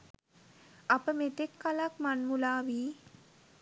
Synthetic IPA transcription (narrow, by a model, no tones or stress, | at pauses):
apəmet̪ekːalakmanmulaːʋiː